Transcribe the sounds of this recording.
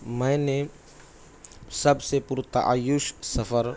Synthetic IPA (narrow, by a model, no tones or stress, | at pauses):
mə̃ne | səbsepuɾt̪ɐ̰ʔa̰jʊʃsɐfəɾ